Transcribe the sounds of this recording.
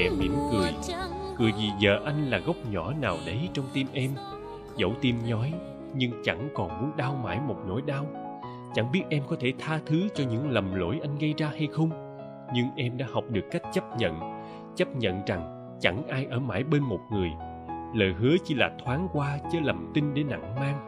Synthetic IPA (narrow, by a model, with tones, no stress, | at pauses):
ɛ̰˧˥mḭ˧˩əmkɨ˨˩əjkɨ˨˩əjvi˨˩zəː˨˩ʔa˧jŋ̟laː˨˩ɣə˦˥wk͡p̚ɲɔ˧˩naː˨˩wɗə˨˦jt͡ɕɔ˧wŋ͡mt̪i˧mʔɛ˧m | zə̰˧˥˩wt̪i˧mɲɔ˨˦j | ɲɨ˧ŋt͡ɕa˧˩ŋkɔ˨˩nmu˨˦ənɗaː˧wma̰ː˧˩jmo˨˩t̚no̰˧˥jɗaː˧w | t͡ɕa˧˩ŋɓi˦˥ət̚ʔɛ˧mkɔ˨˦t̪ʰe˧˩t̪ʰaː˧t̪ʰɨ˨˦t͡ɕɔ˧ɲɨ̰˧˥ŋlə˨˩mlo̰˧˥˦jʔa˧jŋ̟ɣə˧jzaː˧ha˧jxə˧wŋ͡m | ɲɨ˧ŋʔɛ˧mɗa̰ː˧˥ha˨˩wk͡p̚ɗɨ˨˩əkːa˦˥jk̟̚t͡ɕə˦˥p̚ɲə̰˧˨n | t͡ɕə˦˥p̚ɲə̰˧˨nza˨˩ŋ | t͡ɕa˧˩ŋʔaː˧jʔəː˧˩ma̰ː˧˩jɓe˧nmo˨˩t̚ŋɨ˨˩əj | ləː˨˩jɦɨ˨˦ət͡ɕi˧˦laː˨˩t̪ʰwaː˨˦ŋkwaː˧t͡ɕə˨˦lə˨˩mt̪i˧nɗe˨˦nːa̰˧˨ŋmaː˧ŋ